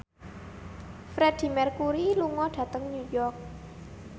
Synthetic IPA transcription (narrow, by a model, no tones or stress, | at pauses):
fɾɛd̥i̤mɛrkuɾiluŋɔɖ̥ä̤t̪əŋɲujɔrk̚